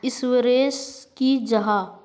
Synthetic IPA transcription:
ɪswəɾeːskid͡ʒɐɦaː

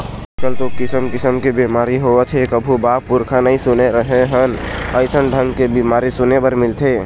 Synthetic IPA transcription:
kəlt̪okɪsəmkɪsəmkebimaːɾiɦot̪ʰekəbʱubaːpːʊɾkʰanəɦĩsʊneɾəɦeɦənəɪsənɖʱə̃ŋɡkebimaːɾisʊnebəɾmɪlt̪ʰeː

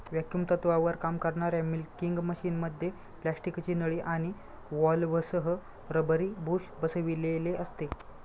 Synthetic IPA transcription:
ʋjakjumt̪ət̪ʋaʋəɾkamkəɾɳaɾjamilkiŋɡməɕiːnməd̪ʱːje | plæsʈikt͡ɕiːnəɭiʔaɽ̃i | ʋɔlʋəsəɦə | ɾəbəɾiːbʱuɕbəsəʋileleʔəst̪e

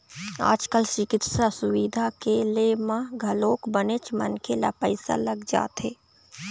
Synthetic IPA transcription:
a̰ːd͡ʒkəlt͡ʃɪkɪt̪sasʊwid̪ʱakelemãɡʱəloːkbənet͡ʃmə̰nkʰela̰pəɪsa̰ləɡd͡ʒa̰ːt̪ɦeː

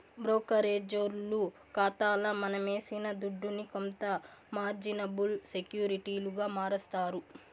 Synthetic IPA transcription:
bɾoːkɐɾeːd͡ʒoɾlu | kaːt̪aːlɐmɐnɐmeːsinɐd̪uɖːunikont̪ɐmaːɾd͡ʒinɐbulsekjuːɾiʈiːluɡaːmaːɾɐst̪aːɾu

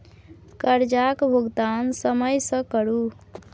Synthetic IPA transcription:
kəɾd͡ʒakbʱuɡd̪ansəməjsə̃kəɾu

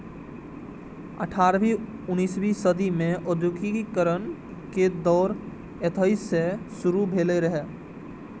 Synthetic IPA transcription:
ə̰ʈʰaːɾbiʊniːsbisəd̪imẽʔʊd̪jʊkikkəɾən | ked̪ɔːɾ | et̪ʰaːisːesʊɾubʱeːleɾəɦɛː

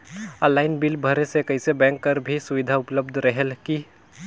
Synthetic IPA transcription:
əlaːɪnbilbʱəɾesekəɦɪsebɛ̃ŋkːəɾbʱisuʋid̪ʱaʊpləbd̪ʱɾəɦelki

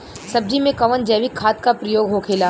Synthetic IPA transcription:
sɐb̚d͡ʒʱimẽkɐʋənd͡ʒɐːʋɪkʰːaːt̪kapɾɐjoːɡɦokʰeːlaː

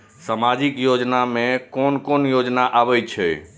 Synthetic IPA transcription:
samad͡ʒikjod͡ʒnamẽkonkonjod͡ʒnaʔabɛt͡ʃʰɛ

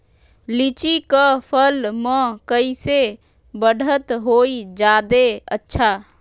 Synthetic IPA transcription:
lit͡ʃikəpʰəlmə̃kəise | bəɽʱət̪ɦoid͡ʒad̪eə̰tːʃʰa

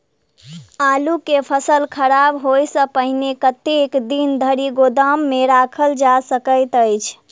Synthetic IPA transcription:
alukepʰəsəlkʰəɾabɦojsə̃pəɦnekət̪ekd̪ind̪ʱəɾiɡod̪əmːeɾakʰəld͡ʒasəkəɪt̪əjt͡ʃʰ

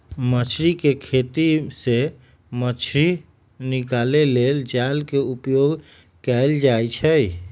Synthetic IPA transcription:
mət͡ʃʰɾikekʰet̪ise | mət͡ʃʰɾi | nɪkaːleleːld͡ʒaːlkeupjoɡ | kɛld͡ʒaːjt͡ʃʰɛ

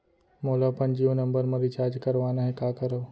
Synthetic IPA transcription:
moːlapɐ̃nd͡ʒionɐ̃mbəɾmɐɾit͡ʃaːd͡ʒkɐɾʋaːnaɦɛkaːkəɾəː

